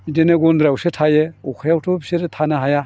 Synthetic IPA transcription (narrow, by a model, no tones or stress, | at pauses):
denɯɡɔnd̪ɾawsetʰajeɔkʰajawtʰɔpseɾtʰanɐɦaja